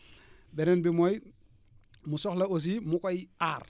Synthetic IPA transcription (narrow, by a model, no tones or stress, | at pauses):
benenbimoj | musoxlaos̬imukojaːɾ